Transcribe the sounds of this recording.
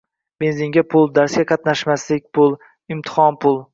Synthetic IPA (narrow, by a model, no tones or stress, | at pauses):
benzɪŋɡʲapʰʊlˠd̪aɾsɡʲaqʰɑt̪naʃmaslɪk̚ʲpʰʊlˠ | ɪmt̪ʰɪ̥hɒnpʰʊlˠ